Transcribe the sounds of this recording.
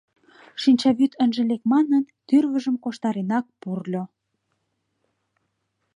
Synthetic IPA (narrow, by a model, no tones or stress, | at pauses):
ʃinʲt͡ɕɑβyt̪ʰə̆nʒĕlekmɑnənt̪yrβə̆ʒə̆mkoʃt̪ɑɾenɑk̚purlʲo